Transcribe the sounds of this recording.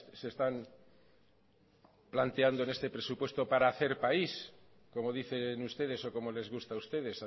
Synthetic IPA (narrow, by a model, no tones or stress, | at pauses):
se̞st̪am | plant̪e̞and̪oene̞st̪e̞pɾe̞supwe̞st̪o̞paɾaːθe̞ɾpais | ko̞mo̞ð̞iθenust̪e̞ð̞e̞so̞ko̞mole̞zɣust̪aust̪e̞ð̞e̞sa